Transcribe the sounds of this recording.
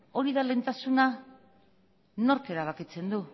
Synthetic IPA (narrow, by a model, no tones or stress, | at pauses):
o̞ɾiðale̞ːnt̪asuna | no̞ɾke̞ɾaβ̞akit͡se̞nd̪u